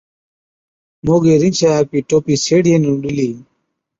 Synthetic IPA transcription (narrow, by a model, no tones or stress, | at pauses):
moːɡeɾint͡ɕʰaapiʈoːpiseːɽijenuɗiliː